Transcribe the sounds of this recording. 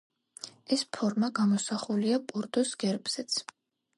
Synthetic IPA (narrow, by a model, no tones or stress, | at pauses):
ɛspʰɔɾmaɡamɔsaχuliapʼuɾd̪usɡ̥ɛɾbz̥ɛt̪sʰ